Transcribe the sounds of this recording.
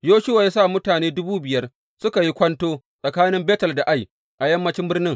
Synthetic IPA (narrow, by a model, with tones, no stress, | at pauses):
joː˦ʃʊ˦wa˨jaː˦sa˦˨mʊ˦taː˨neː˦dʊ˦buː˦bɪ˨jɐ˦r | sʊ˦ka˨ji˦kʷɐ˦ntoː˦ | sʼɐ˨kaː˦nɪ˦mbeː˦tɐ˨lda˨ʔa˦j | ʔa˨jɐ˦mːɐ˦t͡ʃɪ˦mbɪ˦rnɪ˦ŋ